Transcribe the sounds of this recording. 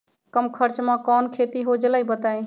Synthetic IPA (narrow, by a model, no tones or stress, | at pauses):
kəmkʰəɾt͡ʃmãkɔnkʰet̪iɦod͡ʒləjbət̪aj